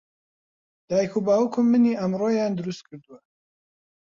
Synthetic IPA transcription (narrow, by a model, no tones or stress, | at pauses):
d̪̥aːjikʰubaːwukʰʊmːɨniːʔəmroːjaːnd̪ɨɾust̪̚kʰɨɾd̪uwɐ